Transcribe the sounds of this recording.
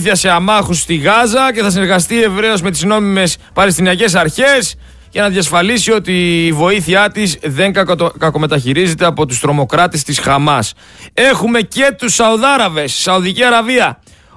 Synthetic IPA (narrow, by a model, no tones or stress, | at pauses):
θiɐse̞ɐmɐxust̪iɣɐzɐce̞θɐsineɾɣɐst̪ie̞vɾe̞o̞zme̞t̪izno̞mime̞spɐlest̪iniɐce̞s̬ɐɾçe̞s | ʝɐnɐðʝjɐsfɐlisio̞t̪iːvo̞iθiɐt̪izðe̞ŋkɐko̞me̞t̪ɐçiɾize̞t̪e̞ɐpo̞t̪ust̪ɾo̞mo̞kɾɐt̪est̪isxɐmɐs | e̞xume̞ce̞t̪usɐuðɐɾɐve̞sːɐuðiciɐɾɐviɐ